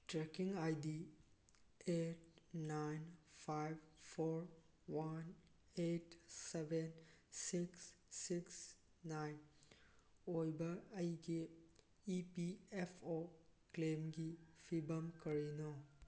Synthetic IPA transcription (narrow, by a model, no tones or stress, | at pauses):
tɾekiŋajdi | et̚najnpʰajb̚pʰoɾ | wan | etsebʱensiksːiks | najn | ojbɐːjɡe | ipiepʰoklemɡipʰibɐmkɐɾinɔ